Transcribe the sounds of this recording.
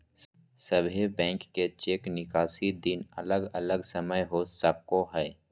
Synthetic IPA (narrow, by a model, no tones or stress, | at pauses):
səbʱebɛ̃ːŋkːet͡ʃeːknɪkaːsid̪ɪnɐ̰ləɡɐləɡsəməjɦosəkoɦɛː